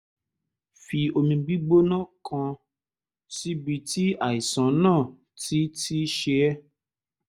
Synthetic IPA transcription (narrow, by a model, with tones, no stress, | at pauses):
fi˧o˧mĩ˧ɡ͡bi˦ɡ͡bo˦nãː˦˨kʰã˧ | ti˦bi˧ti˦a˦˨i˨sã˨˦nãː˦˨ | ti˦ti˦ʃe˧˦ɛ˦